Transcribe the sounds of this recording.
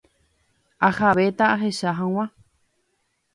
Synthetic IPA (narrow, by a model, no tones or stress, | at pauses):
ahaβet̪aaɦeʃaɦãw̃ã